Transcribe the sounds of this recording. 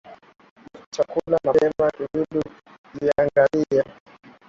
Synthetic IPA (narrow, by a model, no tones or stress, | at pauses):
t͡ʃakulanaɛmaʔiuɗu | iaŋɡalia